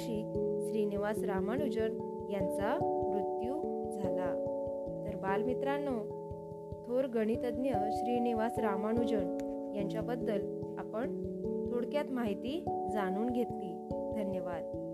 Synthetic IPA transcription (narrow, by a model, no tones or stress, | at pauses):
ɕiːkɕɾiːniʋasɾamaɳud͡ʑəɳ | jant͡samɾut̪jud͡zʱalat̪əɾbalmit̪ɾanːo | t̪ʰoɾɡəɽ̃it̪əd̪njəɕɾiːniʋasɾamanud͡ʑəɳ | jaɲt͡ɕjabəd̪ːəla̰pəɳt̪ʰoɽkjat̪maɦit̪iːd͡zaɽ̃uːnɡʱet̪liː | d̪ʱənjəʋad̪